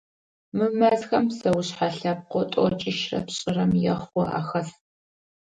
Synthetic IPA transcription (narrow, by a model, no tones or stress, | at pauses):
mɨmɐzxɐmsɐwʊɕħaɬɐp̚qʷɔtʼɔt͡ʃʼɪʃrɐ̰pɕʼɪrɐmjɛχʷɔ̰ʔa̰xɐs